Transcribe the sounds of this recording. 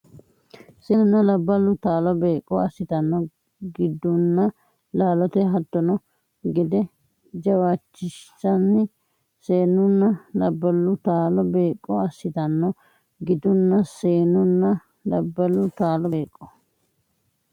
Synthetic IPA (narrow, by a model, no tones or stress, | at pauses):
seːnʊnːɐlɐbːɐlʊt̪aːlɔbeːkʼːɔɐsːɪt̪ɐnːɔ | ɡɪd̪ːʊnːɐ | laːlɔt̪ɛɦɐt̪ːɔnɔ | ɡɪd̪ɛ | d͡ʒɐwaːt͡ʃːɪʃsɐnːɪ | seːnʊnːɐlɐbːɐlːʊt̪aːlɔbe̞ːkʼːɔɐsːɪt̪ɐnːɔ | ɡɪd̪ʊnːɐseːnʊnːɐ | lɐbːɐlʊt̪aːlɔeːkʼːɔ̥